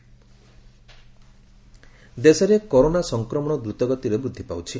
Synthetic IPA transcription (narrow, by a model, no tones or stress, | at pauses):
d̪esɔɾekɔɾonasɔŋkɾɔmɔɽ̃ɔd̪ɾut̪ɔɡɔt̪iɾebɾud̪ʱːipawt͡ʃʰi